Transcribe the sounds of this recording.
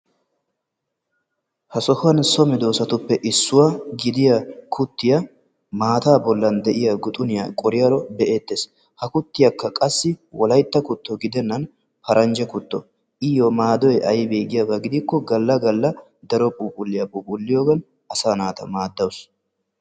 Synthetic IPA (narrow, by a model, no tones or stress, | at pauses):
hɐsɔhʊɐnsɔmɛd̪o̞ːsɐt̪ʊpːɛʔɪsːʊwaɡɪd̪ɪjɐkʰʊt̪ːɪjɐ | maːt̪aːbɔlːɐnd̪ɛʔɪjɐɡʊt̪ʼʊnɪjɐkʼɔɾɪjɐɾɔbɛʔeːt̪ːeːs | hɐkʊt̪ːɪjɐkːɐkʼɐsːɪwɔlɐjt̪ːɐkʊt̪ːɔɡɪd̪ɛnːɐn | pɐɾʔɐnd͡ʒɛkʊt̪ːɔ | ʔɪjɔmaːd̪ɔjɛʔɐjbeːɡɪjɐbɐɡɪd̪ɪkːɔɡɐlːɐɡɐlːɐ | d̪ɐɾɔpʼuːpʼʊlːɪjɐpʼuːpʼʊlːɪjoːɡɐn | ɐsaːnaːt̪ɐ̰maːd̪ːɐwʊs